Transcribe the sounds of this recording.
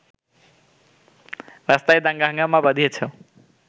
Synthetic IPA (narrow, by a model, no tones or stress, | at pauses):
ɾast̪ajd̪aŋɡaɦŋɡamabʌd̪ʱijet͡sʰʌ